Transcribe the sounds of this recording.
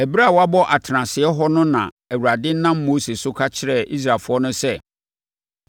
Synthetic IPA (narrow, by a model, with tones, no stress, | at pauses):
æ˨bi˦ɾa˦˨wa˦bɔ˦ʔa˨tʰɾã˨sɪ˨ɛ˦ɦɔ˦nʊ̃˦nã˨ | æ˨wu˨ɾa˨dɪ˦n̩˦nːã˦mːo˦se˨sʊ˦kʰa˦t͡ɕʰɪ˦ɾɛ˦˨ʔi˦s̬ɾa˨fʊ˦ɔ˦nʊ̃˦sɛ˦